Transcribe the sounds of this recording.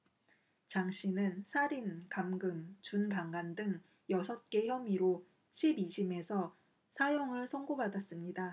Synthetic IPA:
t͡ɕaŋɕʰinɯnsʰaɾinkamɡɯmt͡ɕunkaŋɡandɯŋ | jʌsʰʌt̚k͈e̞çjʌmiɾo | ɕʰibid͡ʑime̞sʰʌ | sʰajoŋɯɭsʰʌŋɡobadas͈ɯmɲida

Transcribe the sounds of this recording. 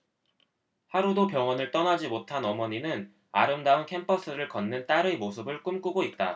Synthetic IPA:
haɾudopjʌŋʌnɯɭt͈ʌnad͡ʑimotʰanʌmʌɲinɯn | a̰ɾɯmdaunkʰe̞mpʰʌs͈ʰɯɾɯɭkʌnːɯnt͈aɾɯmosʰɯbɯɭk͈ɯmk͈uɡoit̚t͈a

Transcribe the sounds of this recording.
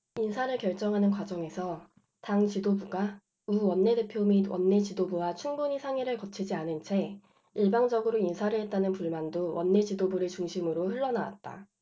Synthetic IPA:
insʰaɾɯɭkjʌɭt͡ɕ͈ʌŋɦanɯnkwad͡ʑʌŋe̞sʰʌ | taŋt͡ɕidobuɡa | uwʌnːe̞de̞pʰjomiwʌ̰nːe̞t͡ɕidobuwat͡ɕʰuŋbuɲisʰaŋiɾɯɭkʌt͡ɕʰid͡ʑianɯnt͡ɕʰe̞ | iɭbaŋd͡ʑʌɡɯɾoinsʰaɾɯɭɦet̚t͈anɯnpuɭmandowʌnːe̞t͡ɕidobuɾet͡ɕuŋɕʰimɯɾoɸɯɭːʌnawa̰t̚t͈a̰

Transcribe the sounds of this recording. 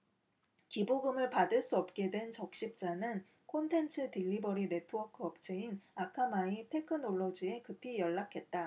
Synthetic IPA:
kiboɡɯmɯɭpadɯɭs͈uʌp̚k͈e̞dwe̞nt͡ɕʌk̚ɕ͈ip̚t͡ɕ͈anɯn | kʰontʰe̞nt͡ɕʰɯtiʎːibʌɾine̞tʰɯwʌkʰɯʌp̚t͡ɕ͈ʰeinakʰamaipʰe̞kʰɯnoɭːod͡ʑie̞kɯpʰijʌɭːakʰe̞t̚t͈a

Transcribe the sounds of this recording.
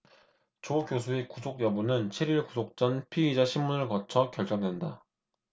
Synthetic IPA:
t͡ɕokjos̬ʰuekusʰok̚jʌbunɯnt͡ɕʰeɾiɭkusʰok̚t͡ɕ͈ʌnpʰiid͡ʑaɕʰimmunɯɭkʌt͡ɕʰʌkjʌɭt͡ɕ͈ʌŋdwe̞nda

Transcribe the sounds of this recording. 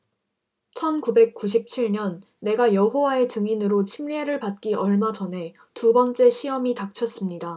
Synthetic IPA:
t͡ɕʰʌnkube̞k̚k͈uɕ̬ʰip̚t͡ɕʰiɭɲʌnː | e̞ɡajʌɦowae̞t͡ɕɯŋinɯɾot͡ɕʰimʎieɾɯɭpat̚k͈iʌɭmad͡ʑʌnɦe̞ | tubʌnt͡ɕ͈e̞ɕʰiʌmitak̚t͡ɕʰʌs͈ɯmɲida

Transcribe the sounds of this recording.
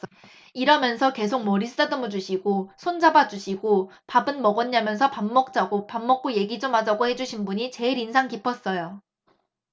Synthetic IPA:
iɾʌmjʌnsʰʌke̞sʰok̚mʌɾisʰɯ̥t͈adɯmɯd͡ʑuɕʰiɡosʰond͡ʑabad͡ʑuɕʰiɡopabɯnmʌɡʌnːamjʌnsʰʌpamːʌk̚t͡ɕ͈aɡopamːʌk̚k͈oje̞ɡid͡ʑomad͡ʑaɡohe̞d͡ʑuɕʰinbuɲit͡ɕe̞iɾinsʰaŋkipʰʌs͈ʌjo

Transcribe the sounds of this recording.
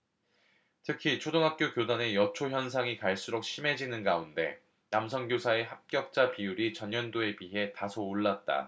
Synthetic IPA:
tʰɯkʰit͡ɕʰodoŋɦak̚k͈jokjodane̞jʌt͡ɕʰoçjʌnsʰaŋikaɭs͈uɾok̚ɕ͈ʰime̞d͡ʑinɯnɡaunde̞ | namsʰʌŋɡjosʰae̞ɦak̚k͈jʌk̚t͡ɕ͈apijuɾit͡ɕʌɲjʌndoe̞piɦe̞tasʰoːɭːat̚t͈a̰

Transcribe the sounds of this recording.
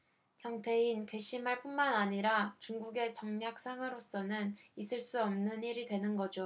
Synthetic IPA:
t͡ɕʌŋtʰe̞inkwe̞ɕ͈ʰimɦaɭp͈unmanaɲiɾat͡ɕuŋɡuɡe̞t͡ɕʌŋɲak̚s͈aŋɯɾos͈ʌnɯnis͈ʰɯɭs͈uʌmnɯniɾidwe̞nɯnɡʌd͡ʑo

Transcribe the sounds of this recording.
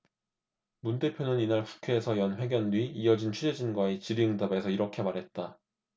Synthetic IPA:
munde̞pʰjonɯninaɭku̥kʰeːsʰʌjʌnɸwe̞ɡjʌnːɥiiʌd͡ʑint͡ɕʰud͡ʑe̞d͡ʑinɡwaet͡ɕiɾiɯŋdabe̞sʰʌiɾʌkʰe̞maɾɦe̞t̚t͈a

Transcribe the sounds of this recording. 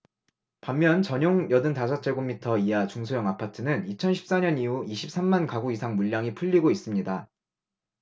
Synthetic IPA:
pamːjʌnt͡ɕʌɲoŋjʌdɯntasʰʌt͡ɕʰeɡomːitʰʌiat͡ɕuŋsʰojʌŋapʰatʰɯnɯnit͡ɕʰʌnɕʰi̥p̚s͈aɲʌniuiɕʰi̥p̚s͈ʰamːankaɡuisʰaŋmuʎːaŋipʰuʎːiɡois͈ɯmɲida

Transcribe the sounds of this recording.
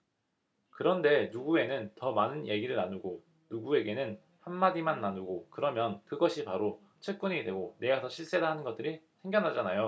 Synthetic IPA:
kɯɾʌnde̞nuɡue̞nɯntʌmanɯnje̞ɡiɾɯɭnanuɡo | nuɡue̞ɡe̞nɯn | hanmadimanːanuɡokɯɾʌmjʌnkɯɡʌɕʰipaɾo | t͡ɕʰwe̞k̚k͈uɲidwe̞ɡone̞ɡatʰʌɕʰiɭs͈e̞daɦanɯnɡʌt͈ɯɾisʰe̞ŋɡjʌnɦad͡ʑanajo

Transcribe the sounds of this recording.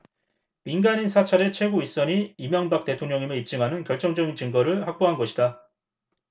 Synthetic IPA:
minɡaɲinsʰat͡ɕʰaɾe̞t͡ɕʰwe̞ɡois͈ʌɲiimjʌŋbak̚t͈e̞tʰoŋɲʌŋimeip̚t͡ɕ͈ɯmɦanɯnkjʌɭt͡ɕ͈ʌŋd͡ʑʌɡint͡ɕɯŋɡʌɾɯɭhak̚p͈oɦanɡʌɕʰida

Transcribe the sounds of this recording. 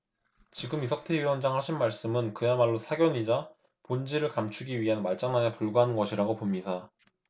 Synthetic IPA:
t͡ɕiɡɯmisʰʌk̚tʰeɥiwʌnd͡ʑaŋhaɕʰinmaɭs͈ɯmɯnkɯjamaɭːosʰaɡjʌɲid͡ʑa | pond͡ʑiɾɯɭkamt͡ɕʰuɡiɥiɦanmaɭt͡ɕ͈aŋnanepuɭɡaɦanɯnɡʌɕʰiɾaɡopomɲida

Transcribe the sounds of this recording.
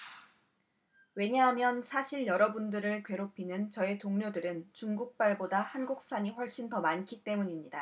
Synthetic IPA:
we̞ɲaɦamjʌnsʰaɕʰiɭjʌɾʌbundɯɾɯɭkwe̞ɾopʰinɯnt͡ɕʌe̞toŋɲodɯɾɯnt͡ɕuŋɡuk̚p͈aɭbodahanɡuk̚s͈aɲiɸwʌɭɕ͈intʌmankʰit͈e̞muɲimɲida

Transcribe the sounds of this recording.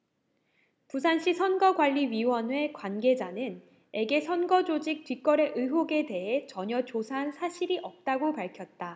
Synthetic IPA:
pus̬ʰanɕ͈ʰisʰʌnɡʌɡwaʎːiɥiwʌnwe̞kwanɡe̞d͡ʑanɯn | e̞ɡe̞sʰʌnɡʌd͡ʑod͡ʑik̚tɥik͈ʌɾe̞ʔɯɦoɡe̞te̞ɦe̞t͡ɕʌɲʌt͡ɕosʰaɦansʰaɕʰiɾiʔʌp̚t͈aɡopaɭkʰjʌt̚t͈a

